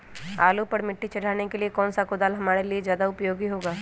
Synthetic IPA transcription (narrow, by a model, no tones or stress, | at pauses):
a̰ːlupɐɾmɪʈːit͡ʃɐɽ̤ʱaːnekeliekɔːnsakʊd̪aːlɦɐmaːɾeliezjaːd̪aʊpjoːɡiɦoːɡaː